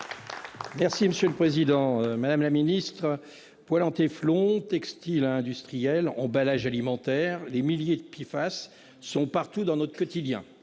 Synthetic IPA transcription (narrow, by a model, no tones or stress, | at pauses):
mɛʁsiməsjøləpχezid̪ɑ̃ømad̪amlaminist̪χə | pwalɑ̃t̪eflɔ̃t̪ɛkst̪ilɛ̃d̪yst̪χijɛlɑ̰̃balaʒalimɑ̃t̪ɛːʁlemiljed̪əpifasː | ɔ̃paʁt̪ud̪ɑ̃nɔt̪χəkɔt̪id̪jɛ̰̃